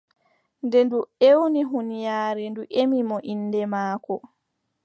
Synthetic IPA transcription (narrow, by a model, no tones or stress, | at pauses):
ndɛnduewniɦunijaːɾɛnduʔemimɔʔinːdɛmaːkɔ